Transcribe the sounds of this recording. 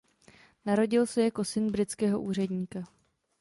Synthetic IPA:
naɾo̞ɟɪlsɛjako̞sɪnbɾɪtt͡skɛːɦo̞̰ʔuːr̝ɛdɲiːka

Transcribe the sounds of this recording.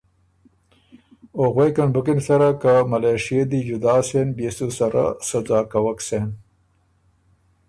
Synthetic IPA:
oɣwejkɐnbʊkinsɐɾakamɐleːʂijed̪id͡ʒud̪aːsenbesusɐɾa̰sɐzaːkɐwɐksen

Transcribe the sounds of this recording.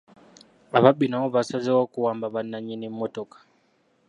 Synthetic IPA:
aβaɓinaɔβasazɛwakuwambaβanːaɲinimmɔtɔkḁ

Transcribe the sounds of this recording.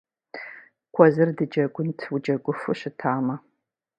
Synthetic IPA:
kʷʰɔzɨrdɨd͡ʒɐɡʷʊntʰwud͡ʒɐɡʷʊfɨɕɪtʰaːmɐ

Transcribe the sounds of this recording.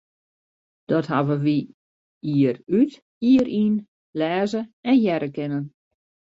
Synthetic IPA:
d̥ɔthaʋəʋi | iəryt | iəɾʔin | lɛːzəɛnjɛɾəkɪnən

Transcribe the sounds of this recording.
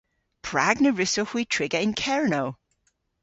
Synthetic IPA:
pʰɹ̥aɡnəɹɪsohwitʰɹ̥ɪɡəɪ̃nkʰɛɹnow

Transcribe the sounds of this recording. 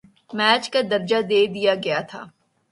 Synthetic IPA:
mɛːt͡ʃkad̪ɐɾd͡ʒad̪eːd̪ijaɡɐjat̪ʰa̰ː

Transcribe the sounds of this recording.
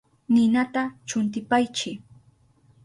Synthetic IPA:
nɪnat̪at͡ʃʊnt̪̬ɪpajt͡ʃɪ

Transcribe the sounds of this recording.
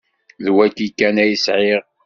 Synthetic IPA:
ðwækikːænæjəsʕeʁ

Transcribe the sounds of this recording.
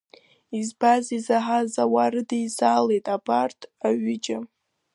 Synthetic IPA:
izbazizaħazawaɾɨdejzalejtʼabartʰaɥɪd͡ʒʼa

